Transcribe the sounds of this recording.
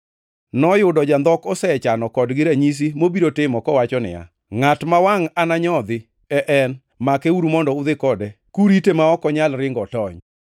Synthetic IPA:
nɔjʊdɔd͡ʒand̪ɔkɔsɛɛt͡ʃanɔkɔdɡɪɾaɲis̬imobiɾotɪmɔkɔwat͡ʃɔnɪ̰a̰ | ŋatmawaŋanaɲɔd̪ɪ | ɛʔɛn | makɛuɾumɔndɔʊd̪ɪkɔdɛ | kuɾitemaɔkɔɲalɾɪŋɡɔtɔɲ

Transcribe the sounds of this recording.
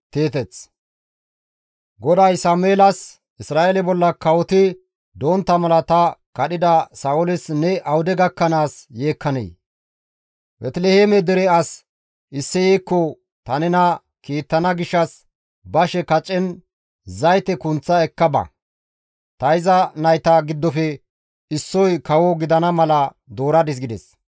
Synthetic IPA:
t̪eːt̪ɛt͡s | ɡɔd̪ɐjsaːmʊeːlɐs | ɪsɾaːʔelɛbɔlːɐkɐwɔt̪ɪ | d̪oːnt̪ːɐmɐlɐt̪ɐkɐɗɪd̪ɐsɐʊlɪsnɛʔɐwʊd̪ɛɡɐkːɐnaːsjeːkːɐnḛj | bɛt̪lehemɛd̪ɛɾɛɐs | ʔɪsːɛjeːkːɔ | t̪ɐnɛnɐ | kiːt̪ːɐnɐɡɪʃːɐs | bɐʃɛkɐt͡ʃʼːɛn | zɐjt̪ɛkʊnt͡sːɐɛkːɐbɐ̰ | t̪ɐɪzɐnɐjt̪ɐɡɪd̪ːɔfɛ | ɪsːɔjkɐwɔɡɪd̪ɐnɐmɐlɐ | d̪o̞ːɾɐd̪ɪs̬ɡɪd̪ɛs

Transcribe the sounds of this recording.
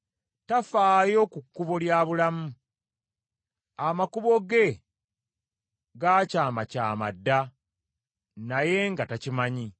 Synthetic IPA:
tafaːjo̞kukːuβo̞ljaːβulamu | amakuβo̞ɡe̞ | ɡaːcaːmaca̰ːma̰dːa | naje̞ŋɡatacimaɲi

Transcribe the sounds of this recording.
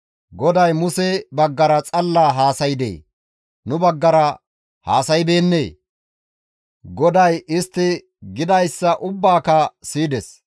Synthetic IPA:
ɡɔd̪ɐjmʊsɛbɐɡːɐɾɐt͡sʼɐlːaːɦaːsɐjɪd̪ḛː | nʊbɐɡːɐɾɐ | haːsɐjbe̞ːnːḛː | ɡɔd̪ɐjɪst̪ːɪ | ɡɪd̪ɐjsːɐʔʊbːaːkɐsiːd̪ɛs

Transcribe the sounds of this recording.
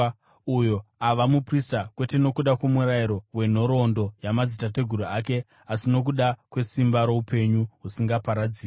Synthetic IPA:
ujo̞aʋamupristakwe̞te̞no̞kuɗakwomuɾaiɾo̞we̞n̤o̞ɾo̞ndo̞jamad͡zitate̞ɡʱuɾuak̬e̞ | asino̞k̬uɗakwe̞simbaɾo̞upe̞ɲuɦusiŋɡapaɾad͡ziː

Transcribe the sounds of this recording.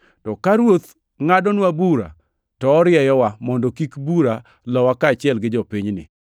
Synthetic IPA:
tɔkaɾwot̪ | ŋadɔnwabuɾa̰ | tɔːɾɪɛjɔwamɔndɔkikbuɾa | lɔwakaːt͡ʃɪɛlɡɪd͡ʒɔpiɲnɪ̰

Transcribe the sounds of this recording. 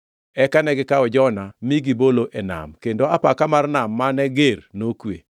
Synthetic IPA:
ɛkanɛɡɪkaɔd͡ʒɔnamiɡiboloʔena̰mkendoapakamarnamːanɛɡeɾnokwḛ

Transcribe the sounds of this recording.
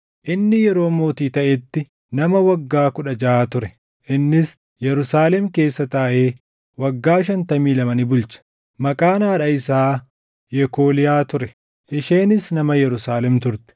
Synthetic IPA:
ʔɪnːɪjɛɾo̞ːmo̞ːt̪iːt̪ɐʔɛt̪ːɪ | nɐmɐwɐɡːaːkʊᶑɐd͡ʒɐaːt̪ʊɾɛ | ʔɪnːɪs | jɛɾʊsaːlɛmke̞ːsːɐt̪aːʔeː | wɐɡːaːʃ̬ɐnt̪ɐmiːlɐmɐnɪbʊlt͡ʃɐ̥ | mɐkʼaːnaːᶑɐɪsaː | jɛko̞ːlɪjaːt̪ʊɾɛ | ʔɪʃe̞ːnɪsnɐmɐjɛɾʊsaːlɛmt̪ʊɾt̪ɛ̥

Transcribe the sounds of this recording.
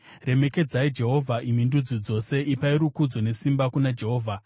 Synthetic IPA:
re̞me̞ke̞d͡zaid͡ʒe̞ɦo̞vʱaʔimindud͡zid͡zo̞se̞ʔipaiɾukud͡zo̞ne̞simbakunad͡ʒe̞ɦo̞ːvʱa

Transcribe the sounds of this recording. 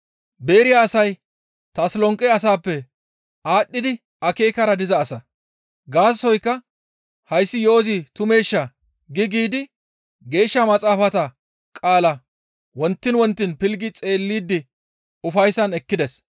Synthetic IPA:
be̞ːɾɪjaːsɐj | t̪ɐslɔŋkʼːɛɐs̬aːpːɛ | aːɗːɪd̪ɪ | ɐke̞ːkɐɾɐd̪ɪzɐːsɐ | ɡaːssɔjkːɐ | hɐjsːɪjo̞ːzɪt̪ʊme̞ːʃːɐ | ɡɪɡiːd̪ɪ | ɡe̞ːʃːɐmɐt͡sʼaːfɐt̪ɐ | kʼaːlɐ | wɔnt̪ːɪnwɔnt̪ːɪnpɪlɡɪt͡sʼe̞ːlːiːd̪ːɪ | ʊfɐjsɐnɛkːɪd̪ɛs

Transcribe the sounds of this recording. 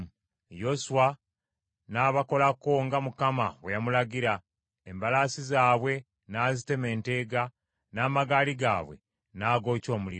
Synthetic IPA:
jo̞suwa | naːβako̞lakoŋɡamukama̰wejamulaɟiɾa | embalaːsizaːβwe̞ | naːzite̞me̞ːnte̞ːɡa | naːmaɡaːliɡa̰ːβwe̞̰ | naːɡo̞ːco̞ːmulḭɾ

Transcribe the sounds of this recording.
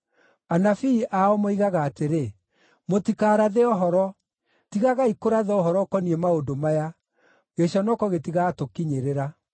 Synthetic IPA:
anafiːʔaɔmoiɣaɣaːteɾe | motikaːɾaðeɔɦɔɾɔ | tiɣaɣaikoɾaðɔɔhɔɾɔkɔniɛmaodomaja | ɣeɕɔnɔkɔɣetiɣatokiɲeɾeɾa

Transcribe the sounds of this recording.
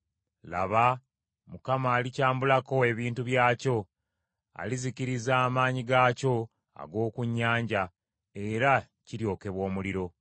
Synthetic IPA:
la̰βa | mukamaːlicaːmbulako̞eβiːntuβjaːco̞ | a̰liziciɾizaːmaːɲiɡaːco̞ | a̰ɡo̞ːkuɲːaːɲɟa | e̞ɾa | ciɾjo̞ːke̞βwo̞ːmuliɾo̞

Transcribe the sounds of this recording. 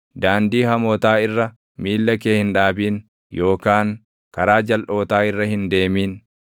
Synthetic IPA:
d̪aːnd̪iːhɐmoːt̪aːɪrːɐ | miːlːɐkeːhɪnᶑaːbiːn | jʔo̞ːkaːŋ | kɐɾaːd͡ʒɐlʔo̞ːt̪aːɪrːɐhɪnd̪e̞ːmiːn

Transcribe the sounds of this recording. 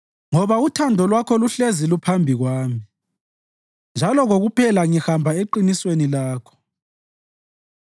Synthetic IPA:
ŋɔβautʰandʱɔlwakʰɔluɬezilupʰambʱiɣwaːmi | nd͡ʒʱalɔɣoɣupʰɛlaŋihambʱaeǃiniswenilaːkʰɔ̥

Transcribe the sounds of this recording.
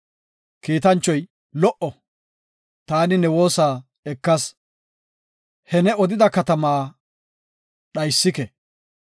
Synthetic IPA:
kiːt̪ɐnt͡ʃːɔj | lɔʔɔ | t̪aːnɪnɛwo̞ːsaː | ɛkːɐs | hɛnɛɔd̪ɪd̪ɐkɐt̪ɐmaː | ɗɐjsːɪkɛ

